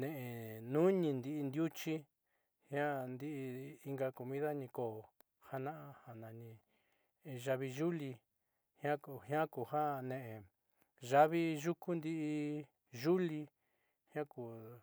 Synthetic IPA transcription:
nẽ˨ʔe˨nũ˦ɲĩ˧nd̪i˧ʔːnd̪ju˦t͡ʃi˦ | hj̃ã˦nd̪i˦ʔi˧i˧ŋɡa˧ko˨mĩ˦ða˦ɲĩ˧ko˨ | ha˧nã˦ʔã˧ha˨nã˨ɲĩ˧ | ʒa˧βi˧ʒu˦li˧ | hj̃ã˦khã˦ku˨ha˦˧nẽ˨ʔẽ˨ | ʒa˦βi˦ʒu˦ku˦nd̪i˦ʔi˧ | ʒu˦li˧ | hã˦ku˨

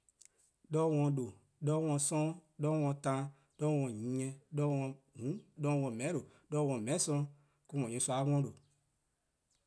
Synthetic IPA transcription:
dɔː˧˦wɔ̃˧do˨ | dɔː˧˦wɔ̃˧˨sɔ̃˦dɔ˧˦wɔ̃˧tã˧˦ | d̥ɔ˧˦wɔ̃˧˨ɲĩ˨˦ɲɛ̃˧dɔ˧˦wɔ̃˧ | hũ˨˦dɔː˧˦wɔ̃˧˨mɛ̃˨˦ɾo˨ | dɔ˦wɔ̃˧˨mɛ̃˨˦sɔ̃˧˦ | ku˧mɔ̃˨ɲĩ˨˦sa˧˦ŋɔ̃˧˦do˨

